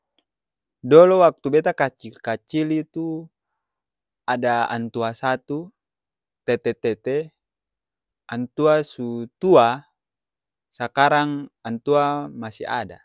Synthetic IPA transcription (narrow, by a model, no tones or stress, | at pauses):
dɔlɔwak̚t̪ubet̪akat͡ʃikat͡ʃilit̪u | adaa̰nt̪uasat̪u | t̪ɛt̪ɛt̪ɛt̪ɛ | ant̪uasut̪ua | sakaɾaŋant̪uamasḭa̰da̰